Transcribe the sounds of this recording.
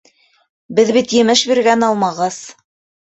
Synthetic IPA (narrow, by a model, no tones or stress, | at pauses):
bɘðβit̪jɘ̆mɘʃbiɾɡænɑlˠmɑʁɤz̥